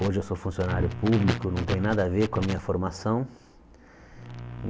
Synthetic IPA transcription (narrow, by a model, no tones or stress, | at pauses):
oʒɪewsofũsionaɾjʊpublikʊnɐ̃w̃t̪ẽj̃nad̪ɐaveɾkõɐmĩɲɐfoɾmasɐ̃w̃